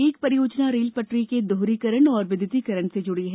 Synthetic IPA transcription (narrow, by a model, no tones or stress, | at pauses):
eːk̚pɐɾijoːd͡ʒnaɾiːlpɐʈɾiked̪ʱoːɾikəɾəɳɔːɾʋɪd̪ɪt̪ikɐɾəɳsed͡ʒʊɽiɦɛ